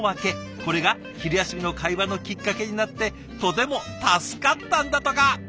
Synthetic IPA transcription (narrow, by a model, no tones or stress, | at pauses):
ake̞ | ko̞ɾe̞ɡa | çiɾɯjaɕibʲino̞kaiβano̞kʲikːake̞ɲ̟inat̪ːe̞ | t̪o̞t̪e̞mo̞t̪asɨ̥kat̪ːãnd̪at̪o̞ka